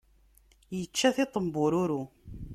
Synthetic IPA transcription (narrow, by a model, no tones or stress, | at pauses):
jət͡ʃːæθɪt̪ˤəmbʊɾuɾu